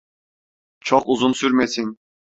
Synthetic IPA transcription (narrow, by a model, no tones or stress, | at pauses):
t͡ʃʰoqʊzunsyɾmesiŋ